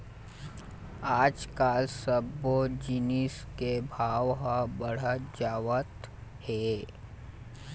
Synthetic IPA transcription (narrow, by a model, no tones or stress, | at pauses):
aːd͡ʒkaːlsəbod͡ʒɪnis | kebʱaːʋɦabəɽ̤əd͡ʒaːʋət̪heː